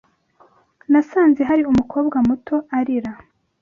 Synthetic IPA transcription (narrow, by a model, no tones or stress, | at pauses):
nasaːnze̞ɦaɾiumuko̞ːbɡamuto̞aɾiɾa